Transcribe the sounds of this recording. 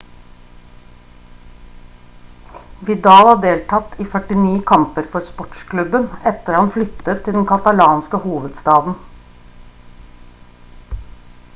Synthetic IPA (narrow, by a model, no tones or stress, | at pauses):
ʋɪd̪ɑːlɑɖ̪eːlt̪ʰɑt̪ʰiːfœʈɪniːkʰɑmpəɾfɔɾspɔʈskʰlʉbənɛt̪əɾhɑnflʏt̪ət̪ʰːɪld̪ɛnkʰɑt̪ɑlɑːnskəhuːʋəd̪st̪ɑːd̪n̩